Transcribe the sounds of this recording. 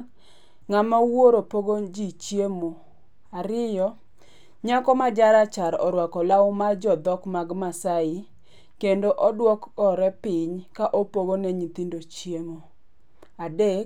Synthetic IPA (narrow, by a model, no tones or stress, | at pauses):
ŋamawoɾopoɡod͡ʒit͡ʃjemo | aɾɪjɔ | ɲakɔmad͡ʒaɾat͡ʃaɾɔ̰ɾwakɔlawomad͡ʒɔd̪ɔkmaɡmasaɪ | kendoʔɔdwɔkɔɾɛpɪɲkaʔopoɡonɛɲit̪indot͡ʃjemo | adek